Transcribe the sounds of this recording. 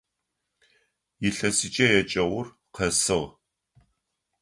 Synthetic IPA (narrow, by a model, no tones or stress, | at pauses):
jɪɬɐsit͡ʃʼɐjɛt͡ʃʼɐʁʷʊr | qʰɐsɨʁ